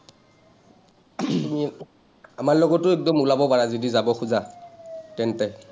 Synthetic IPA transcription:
mi | amaɹlɔɡɔtːʊɛk̚dɔmulabɔpaɹazodizabɔxuza | tɛntɛ

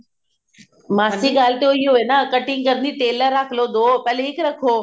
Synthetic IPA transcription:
maːsiɠaːl̤t̪ejoiɦoʋeːnakɐʈɪŋkɐɾniʈeːləɾːaːkʰlod̪opɛleɪkɾɐkʰoː

